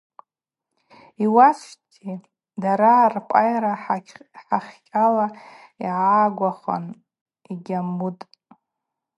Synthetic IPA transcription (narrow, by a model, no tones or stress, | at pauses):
iwasʷtʰi | daɾaːrpʼa̰jaɾaħħaχʲkʲʼalaḭʕaːɡʷaχa̰n | iɡʲamutʼ